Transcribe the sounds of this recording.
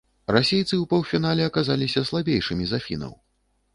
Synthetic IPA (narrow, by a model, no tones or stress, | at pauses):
rasʲejt̪sɨwpɐwfʲin̪alʲɛɐkazalʲisʲɐslˠabʲejʂɨmʲizafʲḭnɐ̰w